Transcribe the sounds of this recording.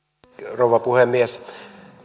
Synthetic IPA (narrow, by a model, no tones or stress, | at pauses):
rouʋɑpuhemːies